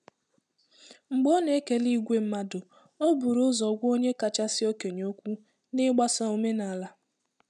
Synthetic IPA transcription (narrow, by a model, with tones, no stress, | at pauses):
ŋ͡m̩˨ɡ͡bɔ˦ne˦ke˦li˦ɡʷe˦m̩˦ma˦dʊ˨ | o˦bu˨ɾʊ˦zɔ˨ɡʷo˦ɲe˦ka˨t͡ʃa˦sɪ˦o˦ke˨ɲo˦kʷu˦ | nɪ˦ɡ͡ba˦sa˦o˦me˦na˨la˦